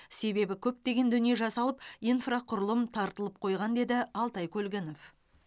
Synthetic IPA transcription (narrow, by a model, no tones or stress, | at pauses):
se̞be̞bɪkʲʰɵp̚t̪e̞ɡʲe̞nd̪ʏnije̞ʒɑsɑlˠəp̚ijnfraqʰʊɾəlˠəmt̪ʰɑɾt̪əlˠəp̚qʰo̞jʁɑnd̪e̞d̪ɪɑlˠt̪ɑjkʲʰɵlɡʲɪno̞f